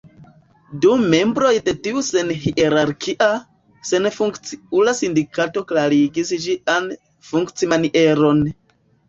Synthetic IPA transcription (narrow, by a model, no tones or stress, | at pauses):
dume̞mbɾo̞jte̞tiuse̞nhiʔeɾaɾkʰiʔa | se̞nfuŋkt͡siulasindikato̞klaɾiɡisd͡ʒian | fuŋkt͡simaniʔe̞ɾo̞n